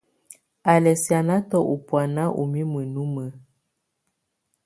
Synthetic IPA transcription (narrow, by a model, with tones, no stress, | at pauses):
a˨lɛ˨sja˨na˦tɔ˦ʔu˨pwa˨na˦ʔṵ˨mi˦mə˨nu˦mə˨˦